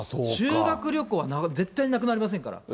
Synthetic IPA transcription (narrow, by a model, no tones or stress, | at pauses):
oɕɨːɡakɯ̟ɾʲo̞kɯβanaze̞t̪ːaiɲnakɯ̟naɾʲimas̬ẽŋka̰ɾa̰